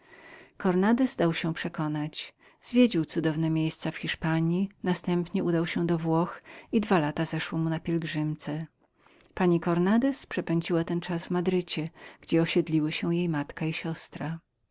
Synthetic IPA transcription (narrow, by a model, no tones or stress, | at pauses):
kɔɾnad̪ɛzd̪awɕɛpʂɛkɔnat͡ɕ | zvʲjed͡ʑiwt̪sud̪ɔvnɛmʲjejst̪safxʲiʂpaɲjinast̪ɛmpɲɛud̪awɕɛd̪ɔvwɔxid̪valat̪azɛʂwɔmunapʲjɛlɡʐɘmt̪sɛ | paɲikɔɾnad̪ɛspʂɛpɛɲd͡ʑiwat̪ɛnt͡ʂazvmad̪ɾɘt͡ɕɛɡ̥d͡ʑɛɔɕɛd̪lʲiwɘɕɛwjejmat̪kaiɕɔst̪ɾa